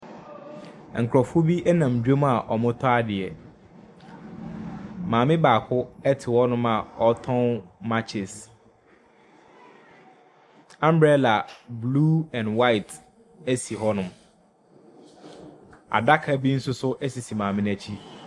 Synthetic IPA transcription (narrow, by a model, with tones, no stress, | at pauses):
ŋ̩˨kʰɾɔ˨fo˦bi˦ʔɛ˦nã˨m˨d͡ʑᶣo˦m˦a˨ʔɔ˨mʊ̃˦tʰɔ˦a˦dɪ˨ɛ˨ | mãː˨mɪ̃˦baː˨kʰʊ˦ɛ˦tʰɪ˨wɔ˦nʊ̃˦ma˨ɔ˦tʰɔ̃˦nma˦t͡ɕʰɪ˨s | ã˦m˦bɾɛ˦la˨bluː˦ɛ̃˨nwa˦ɪ˨t | ɛ˦si˨ɦɔ˦nʊ̃˨m | a̰˨da˦kʰa˨˦bi˦n̩˦sʊ˦sʊ˦ʔɛ˦si˨si˨mãː˨mɪ̃˦n˦æ˦t͡ɕʰi˦